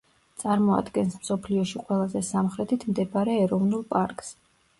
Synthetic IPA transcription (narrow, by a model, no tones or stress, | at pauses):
t̪sʼaɾmɔa̰d̪ɡɛnsmsɔpʰliɔʃiqʼwɛlˠazɛsamχɾɛt̪ʰit̪ʰmd̪ɛbaɾɛːɾɔvnulˠpʼaɾkʼs